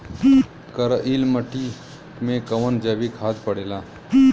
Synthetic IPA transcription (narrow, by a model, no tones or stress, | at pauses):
kəɾəʔiːlməʈːi | mẽkɐʋənd͡ʒɛːbikʰaːd̪pəɽeːlaː